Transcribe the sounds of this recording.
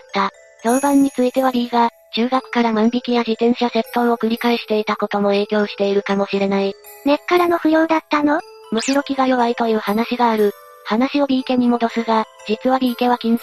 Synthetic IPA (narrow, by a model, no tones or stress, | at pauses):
t̪ːa | jobãɲ̟ːit͡sɨit̪e̞βaɾʲiːɡa | d͡ʑɨːɡakɯ̟̥kaɾamãmbʲikʲijad͡ʑit̪ẽ̞ɰ̃ɕase̞pːõɰ̃okɯ̟ɾʲikaeɕi̥t̪e̞it̪ako̞t̪o̞mo̞e̞ːkʲo̞ːɕi̥t̪e̞iɾɯ̟kamo̞ɕiɾe̞nai | ne̞kːaɾano̞ɸɯ̟jo̞ːd̪at̪ːano̞ | mɯ̟ɕiɾo̞kʲiɡajo̞βait̪o̞jɯ̟ːhanaɕiɡaːɾɯ̟ | hanaɕio̞ɾʲiːke̞m̟ʲimo̞d̪o̞sɨɡa | d͡ʑit͡sɨβaɾʲiːke̞βakʲĩɰ̃